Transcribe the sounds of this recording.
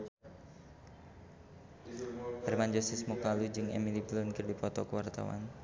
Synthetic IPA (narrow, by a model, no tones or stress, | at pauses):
hɛɾmand͡ʒɔsɪsmukalud͡ʒɨŋɛ̰miliplʊnkərdipɔt̪ɔkəwart̪a̰wa̰n